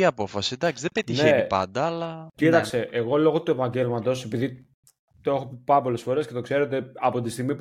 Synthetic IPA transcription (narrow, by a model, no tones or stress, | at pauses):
iɐpo̞fɐsid̪ɐksiðebet̪içneenipɐ̰nd̪ɐɐlɐcit̪ɐksse̞ʔeɣo̞lo̞ɣot̪ue̞pɐɲɟe̞lmɐt̪o̞se̞piði | t̪oexopɐɾɐpo̞le̞sfo̞ɾe̞sce̞t̪o̞kse̞ɾe̞t̪̬e̞ɐpo̞t̪ist̪iɣmi